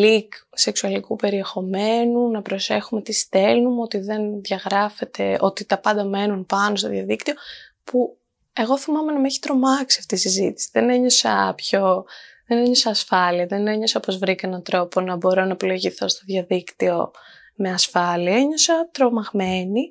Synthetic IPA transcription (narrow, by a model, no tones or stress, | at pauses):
likse̞ksuɐlikupe̞ɾie̞xo̞me̞nunɐpɾo̞se̞xume̞t̪ist̪e̞lnumeo̞t̪iðe̞nðʝɐɣɾɐfe̞t̪e̞o̞t̪it̪ɐpɐnd̪ɐme̞nunpɐno̞st̪oðjɐðikt̪io̞ | pu | e̞ɣo̞θimɐme̞nɐmeçi̥t̪ɾo̞mɐksiɐft̪isizit̪i̥siðene̞ɲo̞sɐ̰pço̞ðeneɲo̞sɐːsfɐliɐðene̞ɲo̞sɐpo̞zvɾikɐenɐnt̪ɾo̞po̞nɐbo̞ɾo̞nɐpilo̞ʝiθo̞st̪o̞ðʝɐðikt̪io̞ | meɐsfɐliɐeɲo̞sɐt̪ɾo̞mɐɣme̞ni